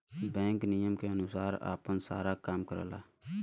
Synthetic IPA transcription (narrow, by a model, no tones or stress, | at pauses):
bɛ̃ːŋknijəmkeːənʊsaːɾa̰ːpənsa̰ːɾaːkamkəɾə̰la̰ː